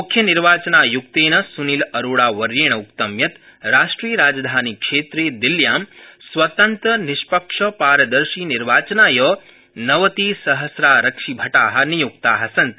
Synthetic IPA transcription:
mukʰːjɐniɾʋaːt͡ʃɐnaːjukt̪eːnɐsunilɐɾoːɭaːʋɐɾjeːɳ̃ɐukt̪ɐmjɐt̪ | ɾaːʂʈɾijɾaːd͡ʒɐd̪ʱaːnikʂeːt̪ɾeːd̪iljaːmsʋɐt̪ɐnt̪ɾɐniʃpɐkʂɐpaːɾɐd̪ɐɾʃiːniɾʋaːt͡ʃɐnaːjɐː | nɐʋɐt̪iːsɐɦɐsɾaːɾɐkʂibʱɐʈaːɦɐ̆nijuk̚t̪aːɦɐsɐnt̪

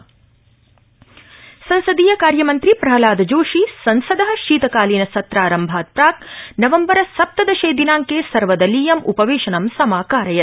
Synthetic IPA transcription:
sɐnsɐd̪iːjɐkaːɾjɐmɐnt̪ɾipɾɐɦɐlaːd̪d͡ʒoːʃisɐnsɐd̪ɐɦɐ̆ʃiːt̪ɐkaːliːnɐsɐt̪ɾaːɾɐmbʱaːt̪̚pɾaːk̚nɐʋɐmbɐɾɐsɐp̚t̪ɐd̪ɐʃeːd̪inaːŋkeːsɐɾʋɐd̪ɐliːjɐmṵpɐʋeːʃɐnɐmsɐmaːkaːɾɐjɐt̪

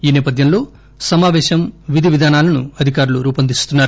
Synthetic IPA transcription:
iːnɛːpɐd̪ʱjɐmlo̞ː | sɐmaːʋɛːʃɐmʋid̪ʱiʋid̪ʱaːnaːlɐnṵɐd̪ʱikaːɾuluɾuːpɐnd̪ist̪unːaːɾu

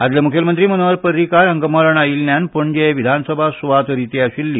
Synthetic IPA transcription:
ad̪ljamukʰjəlmənt̪ɾiːmənoaɾpəɾːikaɾɦəŋɡəmaɾəɳailnjanpuɳd͡ʑeʋid̪ʱansəbʱasuʋat̪ɾit̪eaɕilːiː

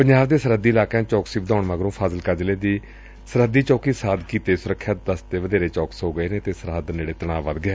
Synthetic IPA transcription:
pəɲd͡ʒaːʋd̪eːsəɾəd̪iːɪlaːkãːt͡ʃɔːksiːbəd̪ãːɳməɡɾõːpʰaːsəlkəɾd͡ʒleːd̪iː | səɾəd̪iːt͡ʃɔːkiːsaːd̪kiːt̪eːsʊɾəkʰːjaːt̪̚d̪əst̪eːʋəd̪eːɾeːt͡ʃɔːksɦoːɡəeːneːt̪eːsəɾəd̪ənd͡ʒeːɽeːt̪əɽɳ̃aːʋəd̪ɡeː

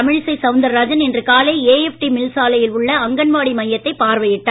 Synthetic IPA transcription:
ɐmɪɻsɐɪsɐʊnd̪ɐɾaːd͡ʒɐnɛndrɯkaːlɐɪeːɛfʈimɪlsaːlɐjɪlʊɭːɐɐŋɡɐɳʋaːɽimɐjːɐt̪ːɐɪpːaːɾʋɐjɪʈːaː

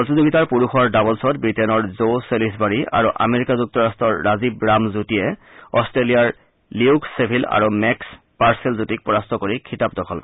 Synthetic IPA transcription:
tizoɡitaɹpuɹuxɔɹdabɔlsɔtbɹitenɔɹzoselisbaɹia̰ɹuʔa̰meɹikazuk̚tɔɹastɔɹːazibɹamzutiɛ | ɔstɹelijaɹ | liuksepʰila̰ɹumɛks | paɹselzutik̚pɔɹastɔkoɹikʰitap̚dɔkʰɔlkɔ

